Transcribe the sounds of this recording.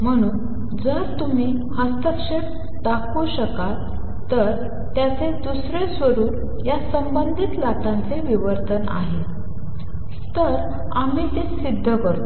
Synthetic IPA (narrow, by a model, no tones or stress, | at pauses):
m̤əɽ̃uːn | d͡zəɾt̪um̤iː | həst̪əkʂəɾ | d̪akʰoɕəkat̪ː | əɾ | t̪jat͡sed̪usɾesʋəɾuːɾ | jasəmbənd̪ʱit̪lat̪ãnt͡seʋiʋəɾt̪əna̰ɦe | t̪əɾ | am̤iːt̪esid̪ʱːəkəɾt̪o